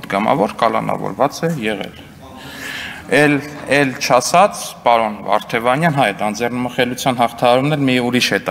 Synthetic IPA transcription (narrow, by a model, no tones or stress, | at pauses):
d̪ɡɑmɑ̰vɔɾkɑlɑ̰nɑ̰vɔ̰ɾvɑt͡sɛjɛʁɛ̰l | ɛlɛlt͡ʃʰɑsɑt͡sʰpɑɾɔnvɑ̰ɾt̪ʰɛvɑnjɑnɦɑjt̪ɑnd͡zɛrnməχɛlut͡sʰjɑnɦɑχt̪ʰɑɦɑɾumnɛlmiuɾiʃhɛt̪